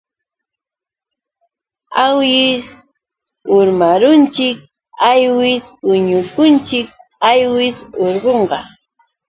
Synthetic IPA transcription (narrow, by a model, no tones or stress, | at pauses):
awjɪs | ʊɾmaɾʊnt͡ʃɪk̚ | ajwɪsʊɲʊkʊnt͡ʃɪk̚ajwɪsoɾɢoɴɢɑ̰